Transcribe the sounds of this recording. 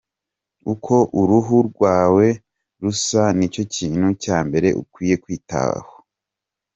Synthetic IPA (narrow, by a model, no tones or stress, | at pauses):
ukʰo̞ʔuɾuɦuɾɡwaːwe̞ | ɾusanico̞ciːn̥hucaːmbe̞ɾe̞ʔṵkwiːje̞kwiːta̰βa̰ho